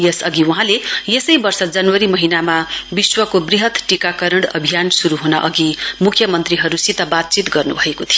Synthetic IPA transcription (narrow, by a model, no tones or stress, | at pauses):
jesʌɡiuɦãlejesʌjbʌrsʌd͡zʌnwʌɾimʌɦinamabiswʌkobriɦʌt̪ʈikakʌɾʌɽʌ̰bʱijansuɾuɦunaʔʌɡimukʰjʌmʌnt̪riɦʌɾusit̪ʌbat̪̚t͡sit̪ɡʌrnubʱʌekot̪ʰijo